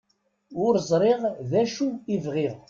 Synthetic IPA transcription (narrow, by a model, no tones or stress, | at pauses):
ʊɾzˤɾˤeʁðæʃuivʁið